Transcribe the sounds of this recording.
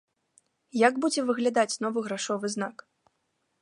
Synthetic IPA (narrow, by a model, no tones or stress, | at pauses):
jaɡbud͡zʲɛvɨɣlʲad̪at͡sʲnɔvɨɣɾaʂɔvɨznak